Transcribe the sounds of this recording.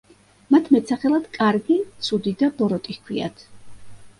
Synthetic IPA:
mat̪ʰmɛt̪sʰaχɛlˠad̪̥kʼaɾɡit̪sʰud̪id̪abɔɾɔt̪ʼihkʰwia̰t̪ʰ

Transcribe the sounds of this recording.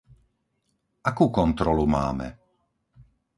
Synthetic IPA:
akuːkɔnt̪ɾɔluma̰ːmɛ̰

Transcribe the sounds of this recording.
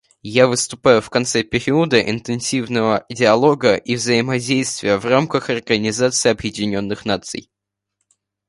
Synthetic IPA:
javɨst̪ʊpajʊfkɐnt̪sɛpʲɪɾʲiʊd̪əʔɪ̰nt̪ɨnsʲivnəvədʲɪɐlˠo̞ɡəʔivzəɪmɐdʲejst̪vʲɪjəvramkəxɐrɡənʲɪzat̪sɨːɐbjɪdʲɪnʲo̞nːɨxnat̪sɨ̰j

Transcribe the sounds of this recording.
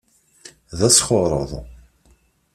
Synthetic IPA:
ðæsχoɾˤə̰ðˤ

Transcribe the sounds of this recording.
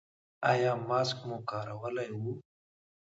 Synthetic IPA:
ajaːmaːskmukaːɾawəlajwu

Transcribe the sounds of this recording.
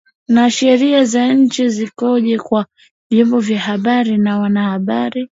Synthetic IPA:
naʃɛɾiazaɲ̩t͡ʃizikɔʄɛkwa | vjɔmbɔvjahaɓaɾinawanahaɓaɾi

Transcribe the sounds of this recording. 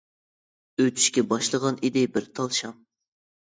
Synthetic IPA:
øt̪ʰy̥ʃkʲɛbɑʃlˠəʁɑnid̪ɪbɪɾt̪ʰɑlˠʃɑm

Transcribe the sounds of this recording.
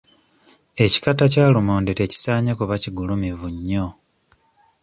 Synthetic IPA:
e̞ci̥katacaːlumoːndete̞ci̥saːɲakuβaciɡulumivuɲːo̞

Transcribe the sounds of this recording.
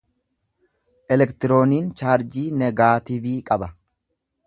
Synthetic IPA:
ʔɛlɛkt̪ɪɾo̞ːniːnt͡ʃaːɾd͡ʒiːnɛɡaːt̪ɪbiːkʼɐbɐ

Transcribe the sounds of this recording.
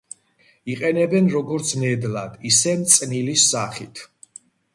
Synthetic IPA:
iqʼɛnɛbɛnɾɔɡɔɾt̪sʰnɛd̪lad̪isɛmt̪sʼnilisːaχit̪ʰ

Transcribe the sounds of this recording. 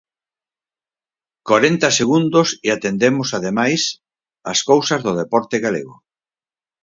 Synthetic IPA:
kaɾent̪ɐseɣund̪osiat̪end̪emʊsaðemajs | ɐskowsɐzðʊð̞epɔɾt̪eɣalḛɣʊ̰

